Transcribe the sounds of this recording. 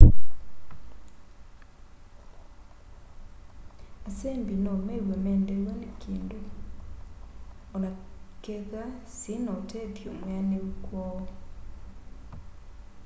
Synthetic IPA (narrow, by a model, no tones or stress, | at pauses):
asembinɔmewɛmɛndewanekʰeːndo | ɔnakeɣasinɔtɛtjomwaneukwɔɔ